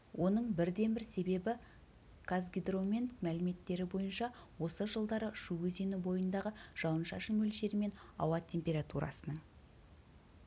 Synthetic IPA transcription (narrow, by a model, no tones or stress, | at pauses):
wʔo̞nəɴbɪɾd̪e̞nbɪɾse̞be̞bɪ | kʰazɡʲid̪ro̞mʲenkmælɪme̞t̪ːe̞ɾɪbo̞jənʃɑwo̞səʒəlˠd̪ɑɾəʃuwɵzenubo̞jənd̪ɑʁəʒ̥ɑwənʃɑʃəmɵlʃe̞ɾɪme̞nɑ̰wɑt̪ʲʰːe̞mpʲe̞ɾat̪uɾɑ̰sənəɴ